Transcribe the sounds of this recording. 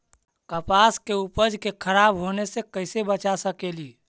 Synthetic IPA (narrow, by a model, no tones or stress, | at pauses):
kəpaskeupəd͡ʒkekʰəɾabɦonesẽkəɪsebət͡ʃasəkeli